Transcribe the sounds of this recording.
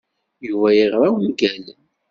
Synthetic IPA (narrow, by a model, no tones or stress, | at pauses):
juvæjiʁɾˤawnɡæl